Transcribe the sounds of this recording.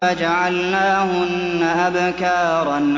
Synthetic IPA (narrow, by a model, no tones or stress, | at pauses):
ad͡ʒaʕalnaːhʊnːaʔabkɑːɾˤɑn